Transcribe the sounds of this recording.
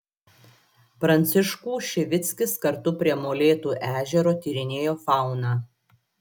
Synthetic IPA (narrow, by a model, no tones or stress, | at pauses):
pɾɐnʲt̪sʲɪʃkuːʃʲɪʋʲɪt̪sʲkʲɪskɐɾt̪ʊpʲɾʲiɛmoːlʲeːt̪uːʔæːʒʲɛɾoːt̪ʲiːɾʲɪnʲeːjoːfɑˑʊnɑː